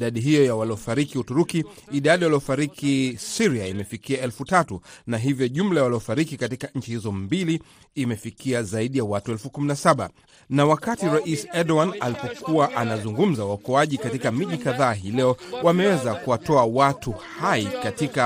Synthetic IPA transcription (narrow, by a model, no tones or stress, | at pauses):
ɗaɗiɦijɔjawaliɔfaɾikiutuɾukiːɗaɗiwaliɔfaɾikʰisiɾiaimɛfikiaɛlfutatunaɦivjɔʄum̩lajawaliɔfaɾikikatikaɲ̩t͡ʃihizɔmbiliː | mɛfikʰiazaiɗijawatuɛlfukuminasaɓa̰ | nawakatiɾaʔisɛɗɔwanalipɔkuwaʔanazuŋɡum̩zawaɔkɔaʄikatikamiʄikaðaːɦilɛɔwamɛwɛzakuwatɔawatuhaikatika